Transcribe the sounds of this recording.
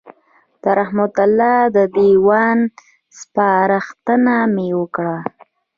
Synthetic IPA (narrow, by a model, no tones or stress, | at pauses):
d̪̥əɾahmat̪alɑd̪əd̪iwɑn | spɑɾaxt̪ənamewəkɽa